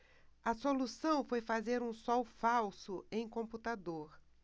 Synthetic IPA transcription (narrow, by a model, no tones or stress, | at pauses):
ɐsolusɐ̃w̃fojfazeɾũsɔwfawsʊẽj̃kõmput̪ad̪oɾ